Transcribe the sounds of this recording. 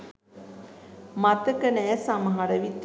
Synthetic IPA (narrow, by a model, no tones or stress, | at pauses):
mat̪əkənɛːsaməɦaɾəʋit̪